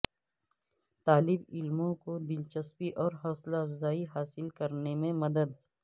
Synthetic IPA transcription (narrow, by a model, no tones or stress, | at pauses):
t̪aːlɪbɪlmõkod̪ɪlt͡ʃəspiʔɔːɾɦɔːslafzaːiɦaːsɪlkɐɾnemẽmɐd̪əd̪